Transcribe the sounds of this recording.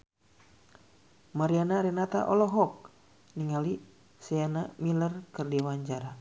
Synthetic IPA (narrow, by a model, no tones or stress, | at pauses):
maɾianaɾɛnat̪a̰ʔɔlɔɦɔk̚ | niŋali | sɛanamilərkɨrdiwaɲd͡ʒaɾa